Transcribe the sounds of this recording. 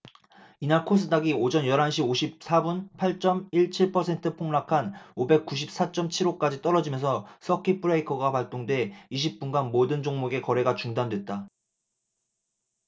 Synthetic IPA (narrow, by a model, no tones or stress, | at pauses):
inaɭkʰos̬ʰɯdaɡiod͡ʑʌnjʌɾɦanɕ̬ʰioɕʰip̚sʰabunpʰaɭt͡ɕ͈ʌmiɭt͡ɕʰiɭpʰʌsʰe̞ntʰɯpʰoŋnakʰanobe̞k̚k͈uɕ̬ʰip̚s͈at͡ɕ͈ʌmt͡ɕʰiɾok͈ad͡ʑit͈ʌɾʌd͡ʑimjʌnsʰʌs͈ʰʌkʰipʰɯɾeikʰʌɡapaɭt͈oŋdwe̞iɕ̬ʰip̚p͈unɡanmodɯnd͡ʑoŋmoɡe̞kʌɾe̞ɡat͡ɕuŋdandwe̞t̚t͈a